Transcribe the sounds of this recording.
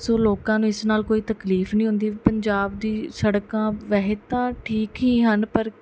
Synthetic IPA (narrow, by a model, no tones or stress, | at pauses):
soːloːkãːnũːɪsnaːlkoːiːt̪əkliːfnĩːɦʊ̃nd̪iːpəɲd͡ʒaːb̚d̪iːsəɽkãːʋɛɦet̪ãːʈʰiːkɦiːɦənpəɾ